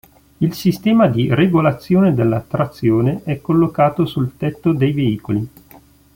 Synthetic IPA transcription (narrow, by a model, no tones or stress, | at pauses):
ilsist̪ɛːmad̪ireɡolat̪sːjoːned̪elːat̪ːɾat̪sːjoːneʔɛkːolːokaːt̪osult̪ɛt̪ːod̪ejveiːkoli